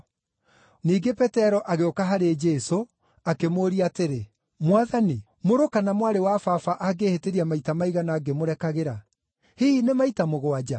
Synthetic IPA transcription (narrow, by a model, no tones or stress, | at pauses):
niːɡepɛtɛɾɔʔaɣeokaɦaɾed͡ʒɛso | akemoːɾiateɾe | mwaðani | moɾokanamwaɾewafafaʔaɡeheteɾiamaitamaiɣanaːɡemoɾɛkaɣeɾa | hiinemaitamoɣoad͡ʒa